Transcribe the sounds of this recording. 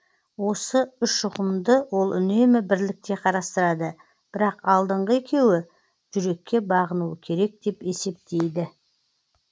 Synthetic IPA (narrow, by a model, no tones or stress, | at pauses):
wo̞səʏʃʊqəmd̪əwo̞lˠʔʏne̞mɪbɪɾlɪk̚t̪e̞qʰɑɾɑst̪əɾɑd̪ə | b̥ɪɾɑqɑlˠd̪əɴʁəe̞kʲe̞wɪ | ʒʏɾe̞kʲːe̞bɑʁənuəkʲʰe̞ɾe̞k̚d̪e̞pe̞se̞p̚t̪e̞jd̪ɪ